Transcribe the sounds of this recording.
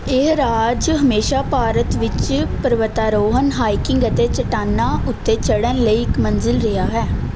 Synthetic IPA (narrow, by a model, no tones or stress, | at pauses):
eɾaːd͡ʒɦəmeːʃaːpaːɾət̪ʋɪt͡ʃpəɾʋət̪aːɾoːɦənɦaːɪkɪŋɡət̪eːt͡ʃəʈaːnːaːʊt̪ːeːt͡ʃəɽənləiːɪkmənzɪlɾɪɦaːɦɛː